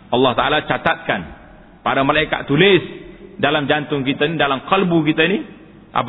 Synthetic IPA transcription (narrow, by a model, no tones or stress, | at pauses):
ʔɑlːɑht̪aʔalat͡ʃat̪at̪̚kan | paɾamalaika̰t̪̚t̪ulɪsdalamd͡ʒant̪ʊŋkit̪ainidalamqəlbukit̪aini | ʔa̰p